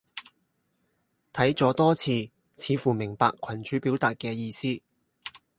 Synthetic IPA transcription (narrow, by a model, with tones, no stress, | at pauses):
t̪ʰɐ˨˥jt͡sɔː˨˥t̪ɔː˥t͡sʰiː˧ | t͡sʰiː˨˧fuː˨˩mɪ˨˩ŋpa̰ː˧kʰɐ˨˩nt͡ʃyː˨˥piː˨˥wt̪aː˨t̚kɛː˧jiː˧siː˥